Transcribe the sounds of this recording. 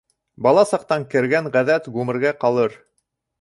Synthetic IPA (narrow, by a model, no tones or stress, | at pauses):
bɑlˠɑsɑq̚t̪ɑŋkɘ̆ɾɡæŋʁæðæt̪ɡʉmɘ̆ɾɡæqɑlˠɤɾ